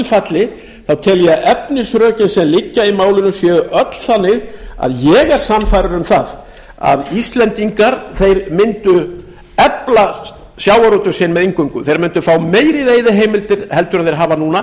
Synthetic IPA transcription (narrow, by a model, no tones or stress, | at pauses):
lfat̪lɪ | θawt̪ʰɛljaʔɛpnɪsɾœːcɪnsɛmlɪcːaimaːwlɪnʏsjɛːɣʏʔœt̪l̥θanːɪɣa̰ðjɛɣɛɾ̥sanːfajɾʏɾʏmθað | a̰ðist̪lɛnt̪iŋkaɾθejɾmɪnt̪ʏ | ɛpla | sjaːwaɾɔt̪ʏ̥sɪnmɛðiŋkʏŋkʏθejɾmɪnt̪ʏfaːwmeːjɾɪðeːjðɪɦeːjmɪlt̪ɪɾ̥hɛlt̪ʏɾaðθejɾɦaːvanuːna